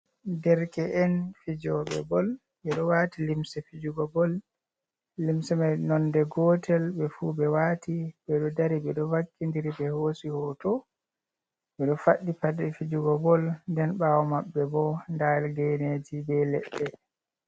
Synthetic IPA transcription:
dɛɾkɛʔɛnfid͡ʒɔɓɛ̰bɔl | ɓɛɗɔwaːtilimsɛfid͡ʒuɡɔbɔlː | imsɛmajnɔndɛɡɔtʰɛlɓɛfubɛwaːtibɛɗɔdaɾiɓɛɗɔvakːindiɾibɛhosihɔtɔ | ɓɛɗɔfaɗːipadɛfid͡ʒuɡɔbɔlndɛnɓaːwɔmaɓːɛbɔndalɡɛned͡ʒibɛlɛɓːɛ

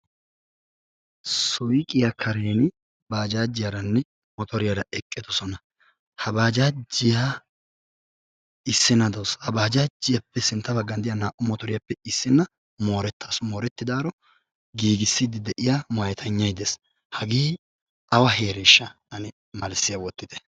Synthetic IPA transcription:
sɔjkʼɪjɐkʰɐɾeːnɪ | baːd͡ʒaːd͡ʒːɪjɐɾɐnːɛ | mɔt̪ɔɾɪjɐɾɐʔɛkʼːɛd̪ɔsɔnɐ | hɐbaːd͡ʒaːd͡ʒːɪja | ɪsːɪnɐd̪oːshɐbaːd͡ʒaːd͡ʒːɪjɐpːɛsɪnt̪ːɐbɐɡːɐnd̪ɪjɐnaːʔʊmɔt̪ɔɾɪjɐpːɛɪsːɪnːɐ | mo̞ːɾɛt̪ːɐsmoːɾɛt̪ːɪd̪aːɾɔ | ɡiːɡɪsːid̪ɪd̪ɛʔɪjamɐjɛt̪ʰɐɲːɐjd̪es | hɐɡiː | ɐwɐɦe̞ːɾɛʃːɐ | ɐnɪ | mɐlsɪjɐwɔt̪ːɪd̪̥ɛ̥

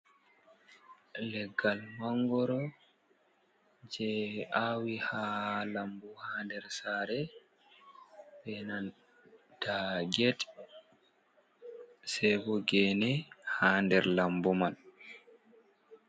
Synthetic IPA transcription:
lɛɡːalmaŋɡɔɾɔ | d͡ʒɛaːwihalambuhaːndɛɾsaːɾɛ | bɛnan | d̥aɡɛt | sɛbɔɡɛnɛhaːndɛɾlambuman

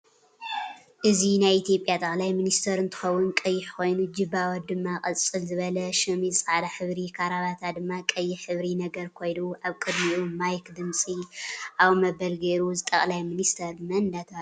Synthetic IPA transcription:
ʔɨzinajit̪ʰjo̞pʼjat̪ʼɐχʼlajminist̪ʰɐɾɨnt̪ʰɨ̥xɐwːʊnkʼɐjːɪħko̞jnud͡ʒɨbawɐt̪̚d̪ɨmːakʼɐt͡sʼɨlzɨβɐlɐʃɐmiɨsʼaʕd̪aħɨβɾikʰaɾaβat̪ʰad̪ɨmːakʼɐjːɪħɨβɾinɐɡɐɾkʰo̞jduʔaβkʼɨd̪miʔumajkd̪ɨmt͡sʼiʔaβmɐbɐlɡeɾuzɨt̪ʼɐχʼlajminist̪ʰɐɾmɐnd̪at̪ʰa

